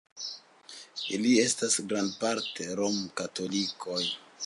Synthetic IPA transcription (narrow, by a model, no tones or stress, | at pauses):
ilie̞stasɡɾandpaɾte̞ɾomkato̞likʰo̞j